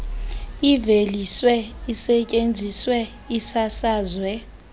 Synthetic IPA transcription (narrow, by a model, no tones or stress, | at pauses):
iveliswɛisɛcʼend͡zʱiswɛ | isasaːzwɛ